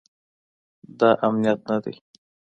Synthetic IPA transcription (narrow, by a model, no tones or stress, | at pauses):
d̪ɑʔamnijat̪̚nad̪ḛ